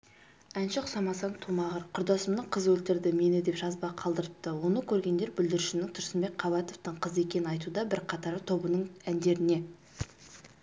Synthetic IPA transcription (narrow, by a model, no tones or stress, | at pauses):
ænʃɪqsɑmɑsɑnt̪ʰumɑʁəɾqʰʊɾd̪ɑsəmnəqʰəzwɵlt̪ɪɾd̪ɪme̞nɪd̪e̞pʒ̥ɑzbɑqʰɑlˠd̪əɾəp̚t̪əwo̞nəkʲʰɵɾɡʲe̞nd̪e̞ɾbʏld̪ɪɾɪʃɪnɪŋt̪ʰʊɾsəmbe̞k̚ʲqʰɑvɑt̪o̞ft̪əɴqʰəze̞kʲe̞nɪnɑjt̪ud̪ɑbɪɾqʰɑt̪ɑɾət̪ʰo̞bənəɴænd̪e̞ɾɪne̞